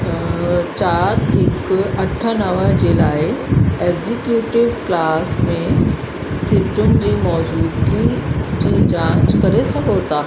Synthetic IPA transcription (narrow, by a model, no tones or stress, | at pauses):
t͡ɕaːɾɦɪkɐʈʰanəʋad͡ʑelaːeeɡzikjuːʈɪʋklaːsmẽ | siʈun̆d͡ʑiːmɔːd͡ʑuːd̪ɡit͡ɕiːd͡ʑãt͡ɕkɐɾesəɡoːt̪aː